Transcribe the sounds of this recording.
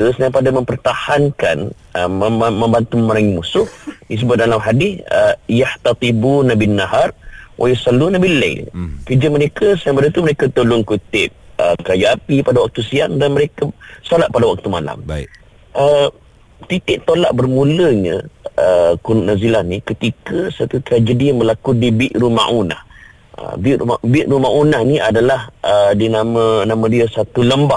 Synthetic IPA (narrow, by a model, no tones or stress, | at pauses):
təsənapadamə̃mpərt̪ahanka̰n | əəmə̃mbant̪uməmaɾaŋimusʊhdis̬əbʊt̪̚dalamɦadɪsəjaht̪ɑt̪ˤibunabinːaɦarwʔa̰jusɑlːunabilːa̰lkərd͡ʒəməɾekʰəsijaŋbadət̪uməɾekət̪olʊnkut̪ɪp̚ə̰kajapipadawak̚t̪usiaŋdanməɾekəsolaʔ̪̚padawak̚t̪umala̰mbai | ʔə | t̪it̪ɪʔt̪ola̰ʔ̚bərmũləɲəəkunnazilahnikət̪ikəsat̪uk̪ɾad͡ʒədijaŋbəlakudibiʔɾuma̰ʔuna̰h | ə̰biʔɾumabɪʔɾumaunahniadalahədinamə̃namãdiəsat̪uləmbaʔ